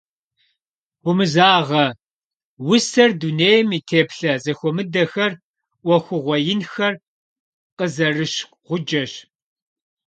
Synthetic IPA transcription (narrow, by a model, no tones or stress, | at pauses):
wʊmɨzaːʁɐ | wʊsɐrduneːjmiːtʰeːpɬɐzɐxʷɔmɨdɐxɐrʷ | ɔxʷʊʁʷɔjɪnxɐr | qəzɐrɨɕ | ʁʷʊd͡ʒɐɕ